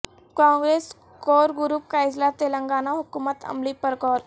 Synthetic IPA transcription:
kãːŋɡɾeːs | koːɾɡʊɾuːp̚kaɪd͡ʒlat̪eːlə̃ŋɡaːnaɦʊkuːmət̪ɐ̰mlipəɾkɔːɾ

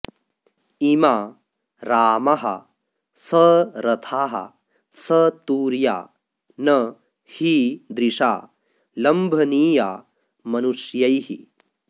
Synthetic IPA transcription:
imaː | ɾaːmɐɦɐ̰ | sɐɾɐt̪ʰaːɦɐ̰ | sɐt̪uːɾja̰ː | nɐ | hiːd̪ɾiʂa̰ː | lɐmbʱɐniːjaː | mɐnuʂjɐjhḭ

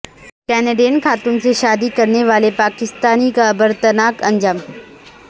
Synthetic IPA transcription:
kɛːneɖeːənxaːt̪uːnseʃaːd̪ikɐɾneʋaːlepaːkɪst̪aːnikaɐbəɾt̪ɐnaːkɐ̃ɲd͡ʒaːm

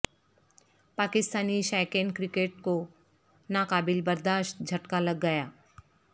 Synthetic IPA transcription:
paːkɪst̪aːniʃaːɪkenkɾɪkeːʈ̚ko | nakaːbɪlbɐɾd̪aːʃʈ̪̚d͡ʒʱɐʈkalɐɡːɐjaː

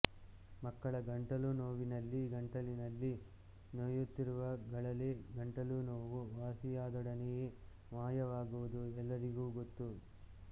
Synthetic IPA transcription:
mɐkːɐɭɐɡɐɳʈɐlunoːʋinɐlːiɡɐɳʈɐlinɐlːi | nojut̪ːiɾuʋɐɡɐɭɐleːɡɐɳʈɐlunoːʋuʋaːsijaːd̪ɔɽɐneje | ʋaːjɐʋaːɡuʋud̪uɛlːɐɾiɡuːɡot̪ːu

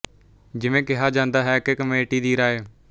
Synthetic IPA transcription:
d͡ʒɪʋẽːkɪɦaːd͡ʒãːnd̪aːɦɛːkekəmeːʈiːd̪iːɾaːeː

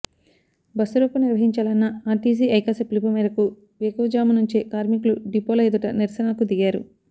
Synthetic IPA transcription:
bɐsuɾopɐniɾʋɐɦiɲt͡ʃaːlɐnːɐaːʈiːs̬iːʔɐjkaseplipɐmiːɾɐku | ʋekoːd͡ʒaːmɐnuɲt͡ʃekaːɾmikluɖipoːlɐjd̪uʈɐniɾsɐnɐkud̪iɡaːɾṵ

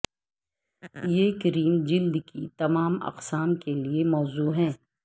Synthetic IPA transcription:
jeːkəɾiːmd͡ʒɪld̪kit̪ɐmaːmɐ̰qsaːmkeliemɔːzuːɦɛ̃ː

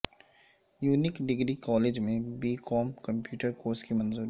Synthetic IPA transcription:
juːnɪkɖɪɡɾikɔːleːd͡ʒmẽbiːkʰɔːmkɐ̃mpjuːʈəɾkoːɾskimɐ̃nzuːɾ

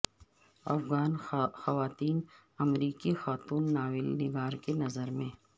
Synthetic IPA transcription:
ɐ̰fɣaːnxɐʋaːt̪iːn | ɐmɾiːkixaːt̪uːnːaːwɪlnɪɡaːɾkenɐzəɾmẽ

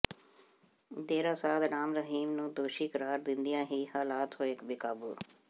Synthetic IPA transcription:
d̪eːɾaːsaːd̪naːmɾəɦiːmnũːd̪oːʃiːkəɾaːɾd̪ɪnd̪ɪjãːɦiːhaːlaːt̪ɦoːɪkbɪkaːbṵː

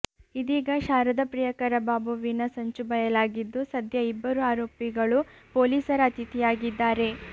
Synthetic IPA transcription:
id̪iːɡɐʃaːɾɐd̪ɐpɾijɐkɐɾɐbaːbuʋinɐsɐɲt͡ʃubɐjɐlaːɡid̪ːusɐd̪ʱjɐibːɐɾuaːɾoːpiɡɐɭu | poːliːsɐɾɐːt̪it̪ijaːɡid̪ːaːɾe̞

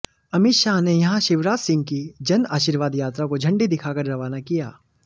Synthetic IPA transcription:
ɐmɪʃaːɦnejɐɦãʃɪʋɾaːtsɪ̃ŋɡ̚kid͡ʒɐnaːʃiːɾʋaːd̪jaːt̪ɾakod͡ʒʱɐ̃ɳɖid̪ɪkʰaːkɐɾɾɐʋaːnakija̰ː

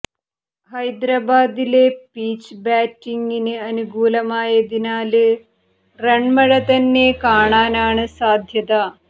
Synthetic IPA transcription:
ɦɐjd̪ɾaːbaːd̪ilepiːt͡ʃbaːʈːiŋɡineɐnuɡuːlɐmaːjɐd̪inaːlɨ | ɾɐɳmɐɽɐt̪ɐnːeːkaːɳaːnaːɳɨsaːd̪ʱjɐt̪aː

